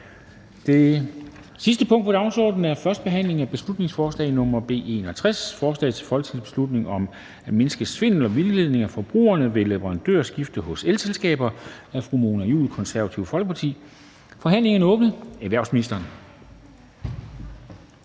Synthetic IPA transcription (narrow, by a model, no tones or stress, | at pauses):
d̥e | sis̬d̥əpʰɔ̽ŋ̰d̥̚pʰɒd̥ɑ̈ʊsɒ̰ːd̥n̩æɐfɶɐsd̥̚b̥e̝ɦæn̰le̝ŋæb̥e̝slud̥ne̝ŋsfɒːslɛ̰ɪnɔ̽mɐb̥e̝̰ːe̝ːnɒ̽t͡sʰʁasfɒːslɛ̰ɪt͡sʰe̝̥fɒ̽lɡ̥t͡sʰiðˠb̥e̝slud̥ne̝ŋɒ̽m | æme̝nəsɡ̥əsʋe̝n̰lɒʋille̝ð̞̰ˠne̝ŋæfɒ̽b̥ʁṵːɐnəʋe̝leʋəʁɑ̈nd̥ø̰ɐ̰sɡ̥ifd̥əɦɔ̽selselsɡ̥ɛ̰ːb̥ɐæfʁumo̝ːnæjṵːðl̩ˠkʰɒ̽nsæɐæt͡sʰiʊfɒ̽lɡ̥əpʰɑ̈t͡sʰḭː | fɒ̽ɦæn̰le̝ŋɐnəɔ̽ːb̥nəæʋæɐʊsminisd̥ɐːn